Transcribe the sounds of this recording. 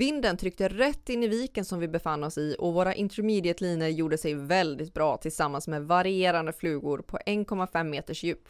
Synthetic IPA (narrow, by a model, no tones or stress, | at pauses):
vɪnd̪ənt̪ʰɾʏk̚t̪əɾɛt̪ːɪnːɪviːkənsɔmvɪbɛfanːɔsɪʔɔvoːɾaʔɪnt̪ɾʊmiːd̪ɪət̪ʰliːnəɾjuːɖəsɛjvɛld̪ɪt̪̚bɾɑːt̪ʰɪlsamːansmɛːvaɾɪeːɾand̪əflʉ̟ːɡʊɾpʰɔ̰ʔɛnkʰɔmːafɛmːeːt̪əʂjʉ̟ːpː